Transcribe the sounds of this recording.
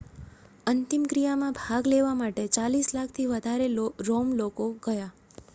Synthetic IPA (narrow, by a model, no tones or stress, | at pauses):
ənt̪imkɾijamãbʱaɡleʋamaʈet͡ʃalislakʰt̪ʰiʋəd̪ʱaɾeloɾomlokoɡəja